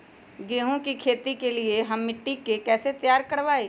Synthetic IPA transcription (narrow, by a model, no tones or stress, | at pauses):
ɡeːɦõkikʰeːt̪ikelieɦɐmːɪʈːikekɛːset̪jaːɾkɐɽʋaːeː